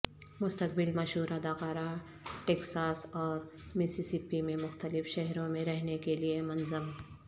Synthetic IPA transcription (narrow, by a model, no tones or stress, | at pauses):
mʊst̪ɐk̚bɪlmɐʃɦuːɾad̪aːqaːɾa | ʈeːksaːsɔːɾmesisipimẽmʊxt̪əlɪfʃɛɦɾõmẽɾɛɦnekeliemɐnzəm